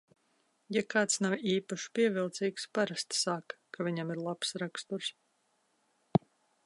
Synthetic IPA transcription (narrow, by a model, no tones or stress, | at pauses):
jakaːt̪snawiːpaʃu̥pʲiɛvilˠt̪siːkspaɾast̪ːaːkkʰavʲiɲamiɾlˠapsɾakst̪uɾs